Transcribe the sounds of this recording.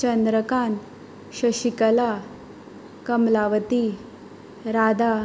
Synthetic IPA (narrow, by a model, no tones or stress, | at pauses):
t͡ɕənd̪ɾəkan | ɕɐɕikəla | kəmlaʋət̪i | ɾad̪a